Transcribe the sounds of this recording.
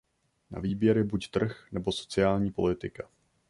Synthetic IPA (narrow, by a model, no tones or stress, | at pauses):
na̰viːbjɛɾjɛbuct̪r̩xnɛbo̞so̞̥t͡sɪaːlɲiːpo̞̰lɪt̪ɪka